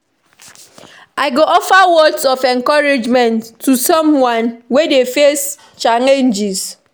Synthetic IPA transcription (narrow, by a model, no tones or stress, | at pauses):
aɪɡoʔɔfawɔdsɔfɛ̃ŋkɔɹɪd͡ʒmɛ̃ntʰːusɔ̃mwãnwedefes | t͡ʃalẽnd͡ʒiz̥